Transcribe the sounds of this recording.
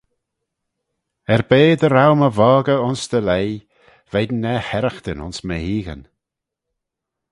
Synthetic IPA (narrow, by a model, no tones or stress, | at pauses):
ɛɾbeːd̪əɾawməvɔːɡəʊnsd̪̥əlej | v̥ed̪nɛhɛɾəxt̪ənʊ̰nsməhiːɣə̰n